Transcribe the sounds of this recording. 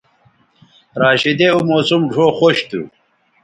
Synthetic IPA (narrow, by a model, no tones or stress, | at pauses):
ɾaːɕid̪eumoːsumɖʰʱoxoɕt̪ṵ